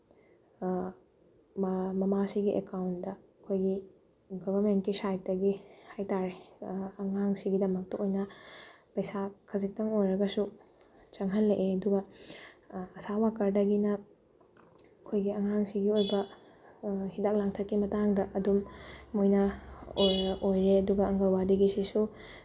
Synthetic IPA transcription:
mmɐmasiɡiʔekawndɐɐkʰojɡi | ɡɔbɐɾmentkisajt̚dɐɡihajtaɾeɐŋaŋsiɡidɐmɐk̚tɐojnɐpɐjsakʰɐzik̚tɐŋojɾɐɡɐsu | t͡ʃɐŋɦɐlːeʔeɐduɡɐ | ɐsawakɐɾdɐɡinɐ | ɐkʰojɡiɐŋaŋsiɡiojbɐ | hidak̚laŋtʰɐkːimɐtaŋdɐʔɐdumːojnɐoojɾeɐduɡɐɐŋɡɐlwadiɡisisu

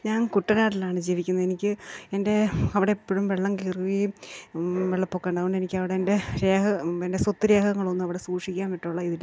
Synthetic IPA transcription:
ɲaːnkuʈːɐnaːʈːilaːɳɨd͡ʑiːʋikʲːunːɐe̞nikʲːɨe̞nde̞ɐʋiɽe̞ipːoɻumʋeɭːɐŋɡiliruʋi | ʋeɭːɐpːoːkːeːɳɖɐðɣoɳɖenikʲːɨɐʋiɽeːnde̞ɾe̞ːɦɐende̞sot̪ːɨɾe̞ːɦɐŋːɐɭo̞nːumɐʋiɽe̞suːkʂikʲːaːnʋiʈːuɭːɐiðiɽ

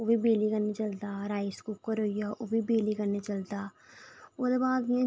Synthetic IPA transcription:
oːbiːbeːliːkəneːt͡ʃəld̪aːɾaːiskuːkəɾoːijaːʔoːbiːbeːliːkənet͡ʃəld̪aː | oːd̪eːbaːd̪ɪjãː

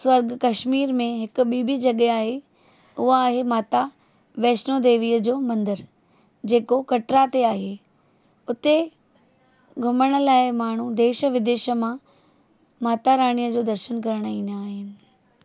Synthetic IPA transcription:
sʋɐɾɡkɐʃmiːɾmẽɦɪkʊ̆ɓiːbʱid͡ʑɐɠeaːɦe | ʊɦaaːɦemaːt̪a | ʋɛːʃnod̪eːʋiːəd͡ʑoːmɐ̃nd̪əɾ | d͡ʑeːkokɐʈɾat̪eaːɦe | ʊt̪e | ɡʱʊməɽ̃ə̆laːɪmaːɳ̤ud̪eːʃə̆ʋɪd̪eːʃə̆mã | maːt̪aɾaːɽ̃ijəd͡ʑoːd̪ɐɾʃənkɐɾəɽ̃ĩːnaːɦɪnɪ̆

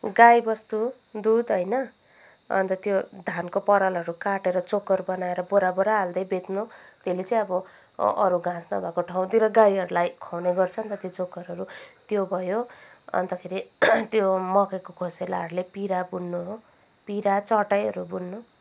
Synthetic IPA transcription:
ɡajbʌst̪u | d̪ud̪ɦʌjnʌ | ʌ̰nt̪ʌt̪jod̪ʱankopʌɾʌlɦʌɾukaʈeɾʌt͡sokːʌrbʌnaeɾʌboɾaboɾaːld̪ʌjbet̪not̪elet͡sʌĩʌbʌ | ʌ̰ɾuɡʱãsnʌ̰bʱakoʈʰaw̃d̪iɾʌɡajʌɾulajkʰawnejɡʌrt͡sʰʌʌnt̪ʌt̪jot͡sokːʌɾɦʌɾut̪jobʱʌjo | ʌ̰nt̪ʌkʰeɾit̪jomʌkekokʰosela̰ʌɾulepiɾabunːuɦo | piɾat͡sʌʈajʌɾubunːu

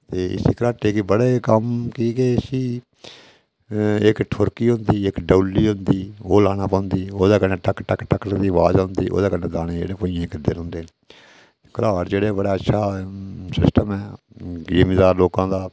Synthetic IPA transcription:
t̪eːʔɪ̰siːkəɾaːʈeːkiːbəɽeːkəmkiːkeɪsiː | ɪkʈʰʊɾkiːɦʊ̃nd̪iːɪkɖəːlːiːɦʊ̃nd̪iːoːlaːñãːpə̃ːnd̪iːoːd̪aːkənẽːʈəkʈəkʈəkːd̪iːʋaːd͡ʒʊnd̪iːʔo̰ːd̪aːkəneːd̪aːneːd͡ʒḛːɽeːpoːĩãːkəd̪eːɾɦʊ̃nd̪eː | kəɾaːɾd͡ʒeːɽeːbəɽeːətːʃʰaːsɪsʈəmɛː | eːmiːd̪aːɾloːkãːd̪aː

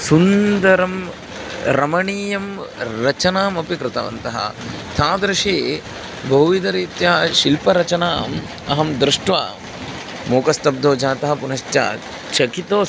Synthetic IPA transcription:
sund̪ɐɾɐm | ɾɐmɐɳiːjɐmɾɐt͡ʃɐnaːmɐpikɾɪt̪ɐʋɐ̰nt̪ɐɦɐ̰t̪ʰaːd̪ɾɐʃeː | bʱɐɦuʋid̪ɐɾiːt̪jɐɐʃilpɐɾɐt͡ʃɐnaːm | ɐɦɐmd̪ɾɪʂʈʋa̰ːm | moːkɐst̪ɐb̚d̪ʱoːd͡ʒaːt̪ɐɦɐpunɐʃtja̰ːt̪ | t͡ʃɐkit̪oː

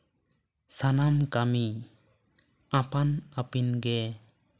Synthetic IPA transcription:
sanamkami | apanapinɡɛ

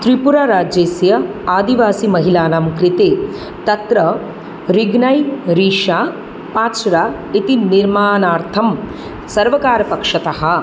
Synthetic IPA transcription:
t̪ɾipuɾaːɾaːd͡ʒeːsjɐaːd̪iʋaːsimɐɦilaːnamkɾit̪eː | t̪ɐt̪ɾɐ | ɾiɡnɐjɾiːʂaː | paːʃɾaː | it̪iniɾmaːnaːɾt̪ʰɐm | sɐɾʋɐkaːɾɐpɐkʂɐt̪ɐɦɐ̆

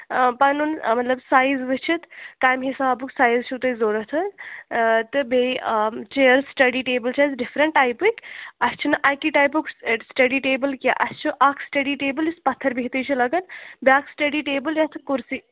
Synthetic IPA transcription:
pɐnunmɐt̪lɐbsaːjzʋɨt͡ʃʰit̪kaːjmɦisaːbuksaːjzt͡ʃʰut̪ɐzoːɾɐɦt̪ʰɐn | t̪ɨbet͡ʃeəɾsʈɐɖiʈeːbəlt͡ʃʰazɖifʰɾəɳʈːaːjpukɐst͡ʃʰunɨʔajkiʈaːjpuksʈɐɖiʈeːbəlkjaʔɐst͡ʃʰuʔaːkʰsʈɐɖiʈeːbəljispɐt̪ʰːəɾbʱiɦt̪əjt͡ʃʰulɐɡɐnbaːksʈɐɖiʈeːbəljat̪ʰɨkuɾsi

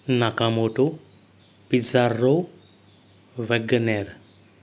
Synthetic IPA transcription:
nakamoʈu | pizaɾːo | ʋeɡɐneɾ

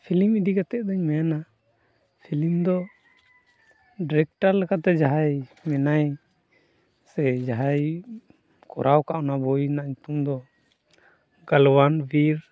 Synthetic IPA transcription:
pʰilimid̪ikat̪ɛʔ̚d̪ɔɲmɛjana | pʰilimd̪ɔ | ɖɾɛk̚ʈaɾlɛkat̪ɛd͡ʒaɦajmɛnaj | sɛd͡ʒaɦaj | kɔ̰ɾʔawkaʔɔnabɔjnaɲut̪umd̪ɔ | ɡalwanbiɾ

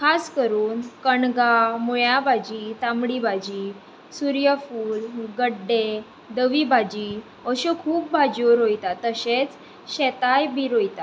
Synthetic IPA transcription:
kʰaskəɾuːnkəɳɡamuɭjabʱad͡ʑit̪amɽibʱad͡ʑi | suɾjəfuːlɡəɖːe | d̪əʋibʱad͡ʑi | əɕukʰuːp̚bʱad͡ʑoɾojt̪at̪əɕet͡s | ɕɛt̪ajbiɾojt̪a

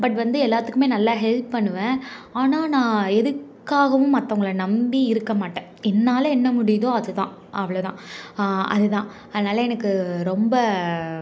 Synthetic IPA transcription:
bɐʈ̬ːʋɐnd̪ɯɛlːaːɾt̪ːɯkːɯmeːnɐlːaɦɛlp̚pɐɳːɯʋẽːaːnaːnãːɛðɯkkːaːɣɐʋʊ̃mːɐt̪ːɐʊŋɡɐɭɐnɐmbiɪɾɯkːɐmaːʈːẽːɛnːaːlɐɛnːɐmʊɽɪjðõːɐðɯt̪ãː | ʔɐʋɐɭɐt̪ã̰ːʔɐ̰ðɯt̪ãː | ɐðɐnaːlɐɛnɐkːɯɾɔmbɐ

